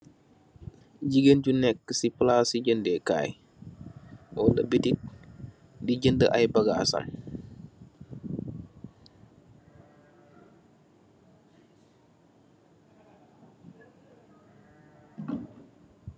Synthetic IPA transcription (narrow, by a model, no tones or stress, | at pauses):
ɟiɡənɟunɛkːəsiplasiɟəndɛka̰j | ʔɔdɐbitik̚ | diɟəndə̰ʔajbaɡasa̰ŋ